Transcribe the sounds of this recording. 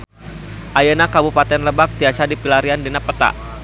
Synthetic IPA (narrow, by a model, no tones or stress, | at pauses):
ʔajanakabupat̪ɛnləbak̚t̪iasadipilaɾiandinapət̪a̰ʔ